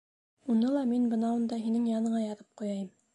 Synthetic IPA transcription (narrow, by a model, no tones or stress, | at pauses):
unɤlˠɑminbɤ̆nɑund̪ɑɦinɘŋjɑnɤ̆ɴɑjɑðɤp̚qujɑjɤm